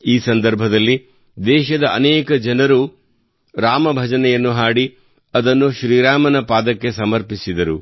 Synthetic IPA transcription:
iːsɐnd̪ɐɾbʱɐd̪ɐlːi | d̪ɛːʃɐd̪ɐʔɐ̰nɛːkɐd͡ʒɐnɐɾu | ɾaːmɐbʱɐd͡ʒɐnɛjɐnːuɦaːɽi | ɐd̪ɐnːuʃɾiːɾaːmɐnɐpaːd̪ɐkːe̞sɐmɐɾpisid̪ɐɾu

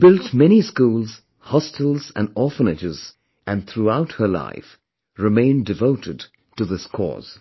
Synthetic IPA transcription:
b̥ɪlˠtmɛñiskulˠz̥ | hɑstl̩ˠzɨ̰̃nɔɹfənɨd͡ʒɪz̥ | ʔɨ̃nθɹuaʊt̚hə˞la̰ɪf | ɹɨmẽɪ̃ndɨvoʊɾɨd̚ | tɨðɪskʰɔ̰z̥

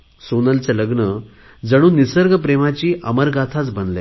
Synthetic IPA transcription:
sonəlt͡seləɡnə | d͡zəɽ̃uːnːisəɾɡəpɾemat͡ɕiːʔəməɾɡat̪ʰat͡sbʱənle

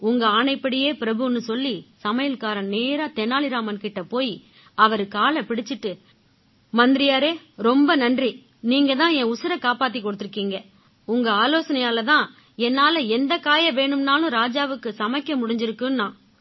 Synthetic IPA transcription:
ʊŋɡɐaːɳɐɪpːɐɽɪjeːpɪɾɐbɯnːɯsɔlːisɐmɐjɪlkaːɾɐneːɾaːt̪ɛnːaːlɪɾaːmɐnkɪʈːɐpoːji | ɐʋɐɾɯkːaːlɐpɪɽɪt͡ʃːɪʈːɯ | mɐnd̪ɪɾɪjaːɾeː | ɾɔmbɐnɐndri | niːŋɡɐt̪ãːɛ̃ːʊsɪɾɐkaːpaːt̪̬ːikːɔɽɯt̪ːɪɾɯkːiːŋɡɐ | ʊŋɡɐaːloːsɐnɐjaːlɐt̪ãː | ɛnːaːlɐɛnd̪ɐkaːjɐʋeːɳɯmnaːlʊ̃ɾaːd͡ʒaːʋɯkːɯsɐmɐɪkːɐmʊɽɪɲd͡ʒɪɾɯkːɯmnãː

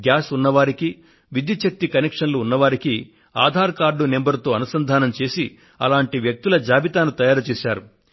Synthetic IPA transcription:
ɡjaːsunːɐʋaːɾiki | ʋid̪jut͡ʃɐk̚t̪ikɐnekʂɐnluːnːɐʋaːɾiki | a̰ːd̪ʱaːɾkaːɾɖune̞mbɐɾt̪o̞ːɐnusɐnd̪ʱaːnɐmt͡ʃe̞ːsi | ɐlaːɳʈiʋjɐk̚t̪ulɐd͡ʒaːbit̪aːnut̪ɐjaːɾɐt͡ʃɛːʃaːɾu

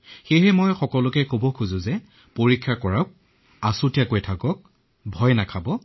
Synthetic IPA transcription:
xejɦɛmɔjxɔkɔlʊkɛkobɔkʰuzʊ̃zɛ | poɹikʰːakɔɹak̚ | asʊtijakojtʰakɔk̚ | bʱɔjnakʰabɔ

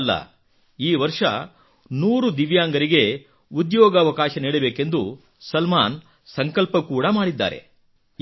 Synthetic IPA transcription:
lːɐ̰ | iːʋɐɾʂɐ̰ | nuːɾud̪iʋjaːŋɡɐɾiɡe̞ | ud̪jɔːɡɐːʋɐkaːʃɐniːɽɐbe̞ːke̞nd̪u | sɐlmaːn | sɐŋkɐlpɐkuːɽɐmaːɽid̪ːa̰ːɾe̞̰

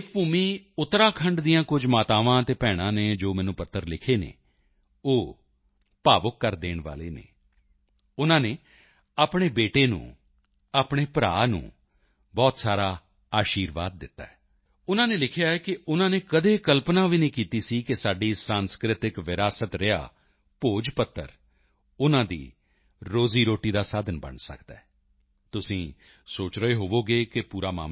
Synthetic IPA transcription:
puːmiːʊt̪ːɾaːkʰə̃ɳɖd̪ijãːkʊd͡ʒmaːt̪aːʋãːt̪eːpɛːɽ̃ãːneːd͡ʒoːmɛːnũːpət̪ʰːəɾlɪkʰeːnḛː | oː | paːʋəkːəɾd̪eːɳʋa̰ːlḛːnḛː | ʊnãːneː | aːpɽ̃eːbeːʈeːnṵ̃ː | aːpɳ̃eːpɾa̰ːnṵ̃ː | bɔːt̪saːɾaː | aːʃiːɾʋaːd̪̚ːɪt̪ːa̰ːɛː | ʊnãːneːlɪkʰjaːɛkɪʔʊnãːneːkəd̪eːkəlpnaːʋiːnĩːkiːt̪iːsiːkɪsaːɖiːsãːnskɾɪt̪ɪkʋɪɾaːsət̪ɾɪja̰ː | poːd͡ʒpət̪ːə̰ɾ | ʊnãːd̪ḭː | ɾoːziːɾoːʈiːd̪aːsaːd̪ənbə̰ɳsə̰kd̪a̰ːɛ | t̪ʊsĩː | soːt͡ʃɾəeːɦoːʋoːɡeːkɪpuːɾaːma̰ːm

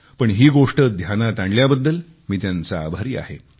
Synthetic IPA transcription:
pəɳɦiːɡoʂʈəd̪ʱjanat̪aɳɖljabəd̪ːəl | miːt̪jant͡saːbʱaɾiːa̰ɦḛ

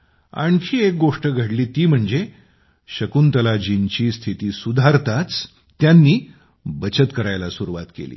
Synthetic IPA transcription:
a̰ɳkʰiːek̚ɡoʂʈəɡʱəɽliːt̪iːm̤əɳd͡ze | ɕəkunt̪əlad͡ʑint͡ɕiːst̪ʰit̪iːsud̪ʱaɾt̪at͡sː | janːiː | bət͡ɕət̪kəɾajlasuɾuʋat̪kḛlḭː

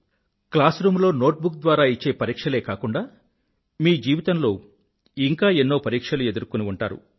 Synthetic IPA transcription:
klaːsɾuːmloːno̞ːʈ̚bukd̪ʋaːɾaːit͡ʃːe̞ːpɐɾiːkʂɐle̞ːkaːkuɳɖaː | miːd͡ʒiːʋit̪ɐnlo̞ː | iŋkaːenːo̞ːpɐɾiːkʂɐlue̞d̪uɾkuniuɳʈaːɾṵ

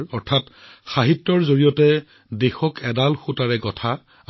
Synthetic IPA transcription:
ɔɹtʰatxaɦitːɔɹzoɹijɔtɛ | dexɔkɛdalxutaɹɛɡɔtʰa

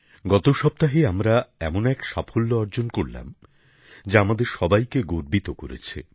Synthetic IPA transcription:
ɡɔt̪oʃɔp̚t̪aɦeamɾaɛmonɛkʃapʰolːoɔɾd͡ʑonkoɾla̰m | d͡ʑaamad̪eɾʃɔbajkeɡoɾbit̪okoɾḛt͡ɕʰḛ

